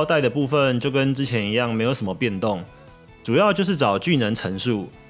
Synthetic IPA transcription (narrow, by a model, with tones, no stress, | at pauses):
ʊt̪a˥˩ɪd̪ə˩pu˥˧fə˥˨nt͡ɕjo˥˨˩ʊkə˦nt͡sɻ̩˥t͡ɕʰjɛ˨˧˥ni˧jɑ˥˩ŋme˧˥ɪjo˧˥ʊʂə˨˩˦mə˧˦pjɛ˥˧nt̪o˥˨ŋ | ʈ͡ʂu˨˩jɑ˥˧ʊt͡ɕjo˥˧ʊʂ̬ɻ̩˥˩ʈ͡ʂɑ˨˩ʊt͡ɕy˥˨nə˧˦nʈ͡ʂʰə˧˥ŋʂu˥˨